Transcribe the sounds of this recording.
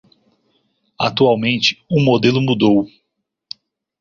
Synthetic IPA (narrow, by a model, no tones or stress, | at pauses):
a̰t̪uawmẽnt͡ʃɪ̥umod̪elʊmud̪ow